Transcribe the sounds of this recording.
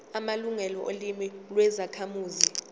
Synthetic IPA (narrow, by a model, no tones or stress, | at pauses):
amaluŋɛlɔʔolimilwɛzakʰamuːzi